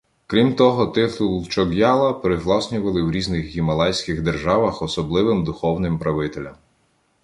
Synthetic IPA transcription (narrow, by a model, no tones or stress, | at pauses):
kɾʲimt̪ɔɦɔt̪ɪt̪ʊlˠt͡ʃɔɡjɑlˠɐpɾɪzlˠɑsʲnʲʊʋɐlˠɪwɾʲiznɪxɣʲimɐlˠɑjsʲkʲɪɣd̪erʒɑʋɐxɔsɔblˠɪʋɪmd̪ʊxɔwnɪmpɾɐʋɪt̪elʲɐm